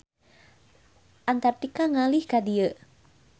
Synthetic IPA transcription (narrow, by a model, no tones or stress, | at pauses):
ʔant̪art̪ikaŋalihkadiə